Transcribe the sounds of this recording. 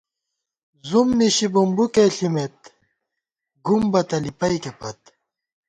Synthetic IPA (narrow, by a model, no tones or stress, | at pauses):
zumniɕibumbukeɬimet̪̚ | ɡumbɐt̪ɐlipɐikepɐt̪